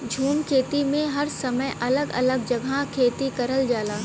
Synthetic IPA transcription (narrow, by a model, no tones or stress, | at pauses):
d͡ʒʱuːmkʰeːt̪imẽɦɐɾsɐməjʔɐləɡɐ̰ləɡ̚d͡ʒɐɡʱakʰeːt̪ikɐɾəld͡ʒaːlaː